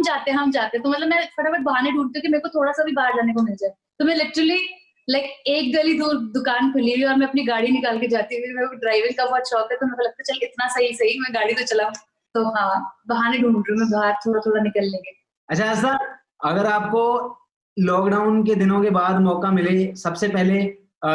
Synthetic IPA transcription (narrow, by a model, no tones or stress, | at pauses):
ɦɐmd͡ʒaːt̪eɦɛ̃ɦɐmd͡ʒaːt̪eɦɛ̃t̪omɐt̪ləbmɛ̃fɐʈabɐʈ̪̚bɐɦaːneɖuːɳt̪ijũkimeːkot̪ʰoːɽasabʱibaːɾd͡ʒaːnekomɪld͡ʒaːe | t̪omɛ̃lɪʈɾəli | laɪkeːk̚ɡɐlid̪uːɾd̪ʊkaːnkʰʊliɦiɔːɾmɛ̃ɐpniɡaːɽinɪkaːlked͡ʒaːt̪iuimɛ̃ɖɾaːɪʋɪɾkabɔːt̪ʃɔːkɦɛt̪omɛ̃kolɐɡ̚t̪aɛt͡ʃɐlɪt̪nasɐɦisɐɦimɛ̃ɡaːɽit̪ot͡ʃɐlaũ | t̪oɦãbɐɦaːneɖʱũːɳɖũɾũmẽbʱaːɾt̪ʰoːɽat̪ʰoːɽanɪkəlːẽːɡeː | ɐtːt͡ʃʰaɐsaː | ɐɡəɾaːp̚ko | lɔːkɖaːʊnk̬ed̪ɪnõkebaːd̪mɔːkamɪlẽsɐbsepɛɦle